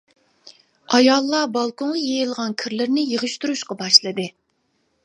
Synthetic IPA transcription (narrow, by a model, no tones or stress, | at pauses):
ɑjɑlˠːɑbɑlˠkoɴʁɑjejilˠʁɑnkʲʰɪɾlɪɾnɪjəʁɨʃt̪uɾuʃqɑbɑʃlˠɨd̪ɨ